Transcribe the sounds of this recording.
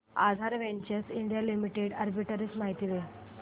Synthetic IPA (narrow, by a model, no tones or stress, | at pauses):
a̰d̪ʱaɾʋeɲt͡ɕəsiɳɖijalimiʈeɽəɾbiʈɾismaɦit̪iʋe